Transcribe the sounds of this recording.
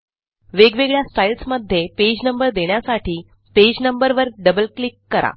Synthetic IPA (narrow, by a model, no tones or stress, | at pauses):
ʋeɡʋeɡɭjasʈailsməd̪ʱːjeped͡ʑnəmbəɾd̪eɳ̃jasaʈʰiː | ped͡ʑnəmbəɾʋəɾɖəbəlklikːəɾa̰